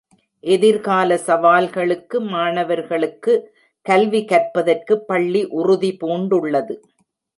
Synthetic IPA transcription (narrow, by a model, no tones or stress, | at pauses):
ʔɛðɪɾɣaːlɐsɐʋaːlɣɐɭɯkːɯmaːɳɐʋɐɾɣɐɭɯkːɯ | kɐlʋikɐrpɐðɐrkɯpːɐɭːiʔʊrʊðipoːɳɖɯɭːɐðɯ